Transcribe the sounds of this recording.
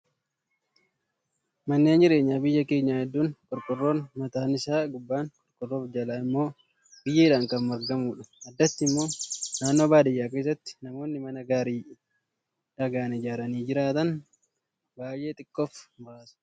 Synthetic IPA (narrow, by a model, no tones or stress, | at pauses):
mɐnːeːnd͡ʒɪɾe̞ːɲːaːbɪjːɐke̞ːɲːaːhɛd̪ːuːŋkʼɔɾkʼʊrːo̞ːnmɐt̪aːnɪsaːɡʊbːaːŋkʼɔɾkʼʊrːoːfd͡ʒɐlaːɪmːo̞ː | b̥ɪjːɐɪᶑaːŋkɐnmɐɾɡɐmuːᶑɐ̥ɐd̪ːɐt̪ːɪmːo̞ːnaːnːo̞ːbaːd̪ɪjːaːke̞ːs̬ːɐt̪ːɪ̥nɐmo̞ːnːɪmɐnɐɡaːɾiː | ᶑɐɡaːnɪd͡ʒaːɾɐniːd͡ʒɪɾaːt̪ɐn | baːjʔe̞ːt̪ʼɪkʼːofbaːsɐ̥